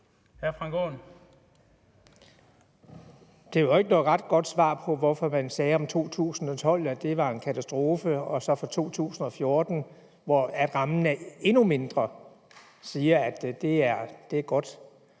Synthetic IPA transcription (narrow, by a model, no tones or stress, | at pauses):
hæfʁɑ̈ŋɡ̥o̰n | d̥e̝ʋe̝ɡ̥ənɔ̽ːð̩ˠʁɑ̈d̥ɡ̥ɒ̽d̥sʋɑ̰̈ːpʰɒ̽ʋɒfɒ̽mænsɛːɒ̽mt͡sʰo̝̰ːt͡sʰṵːsn̩ɒ̽t͡sʰɒ̽l̰æd̥e̝ʋɑ̈e̝nkʰæt͡sʰæsd̥ʁo̝ːfəɒ̽sɒ̽fɒ̽t͡sʰo̝̰ːt͡sʰṵːsn̩ɒ̽fjo̝ɐd̥n̩ | ʋɒæd̥ʁɑ̈mn̩æɐe̝nume̝nd̥ʁɐ | siːɐæd̥d̥e̝æɐd̥e̝æɐɡ̥ɒ̽d̥